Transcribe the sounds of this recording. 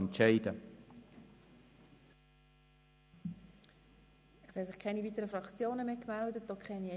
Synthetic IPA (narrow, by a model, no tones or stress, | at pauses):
ntʃɛɪd̥ə | ɛshɛsɪχkʰɛniviːt̪əɾəfɾɑkt͡sjoːnəmeːkmældət̚d̥okʰχɛni